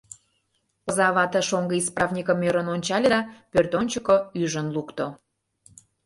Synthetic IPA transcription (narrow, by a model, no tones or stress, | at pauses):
pə̆zɑβɑt̪ə̆ʃoŋɡəisprɑvnʲikəmøɾənonʲt͡ɕɑlʲed̪ɑpørt̪onʲt͡ɕəkoyʒənlukt̪o